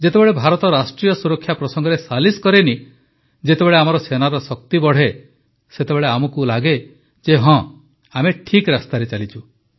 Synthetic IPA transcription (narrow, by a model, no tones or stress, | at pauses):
d͡ʒet̪ebeɭebʱaɾɔt̪ɔɾasʈɾijɔsuɾɔkʰjapɾɔsɔŋɡɔɾesaliskɔɾeni | d͡ʒet̪ebeɭeamɔɾɔsenaɾɔsɔk̚t̪ibɔɽ̤e | set̪ebeɭeamɔkulaɡe | d͡ʒeɦɔ̃ | ameʈʰikɾast̪aɾet͡ʃalit͡ʃʰu